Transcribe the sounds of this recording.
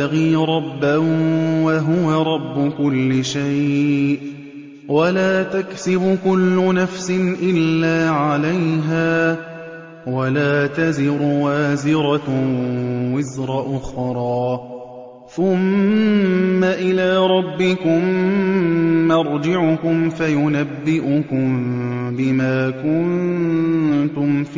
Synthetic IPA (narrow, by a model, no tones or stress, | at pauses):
aɣiːɾˤɑbːawaɦʊwaɾˤɑbːʊkʊlːɪʃajʔ | walaːt̪aksɪbʊkʊlːʊnafsɪnʔɪlːaːʕalajɦaː | walaːt̪azɪɾʊwaːzɪɾˤɑ | wɪzɾˤɑʔʊxɾˤɑː | θʊmː | aʔɪlaːɾˤɑbːɪkʊm | ɑɾˤd͡ʒɪʕʊkʊmfajʊnabːɪʔʊkʊmbɪmaːkʊnn | t̪ʊmf